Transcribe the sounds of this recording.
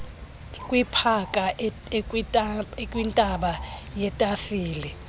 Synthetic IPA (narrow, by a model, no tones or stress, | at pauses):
kʼwipʰakʼa | kʼwintʼaɓajɛtʼafiːlɛ